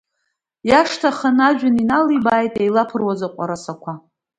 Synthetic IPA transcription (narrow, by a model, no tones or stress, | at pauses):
jaʂtʰaχanaʒᶣʊninalibaːjtʼejlapʰɨrwazaqʷʼa̰ɾasakʷʰa